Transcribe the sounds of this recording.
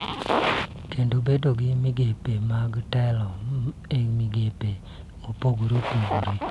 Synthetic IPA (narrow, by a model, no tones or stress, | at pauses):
kendobedoɡɪmɪɡepemaɡitɛlɔemiɡepe | ŋopoɡuɾopuɡuɾi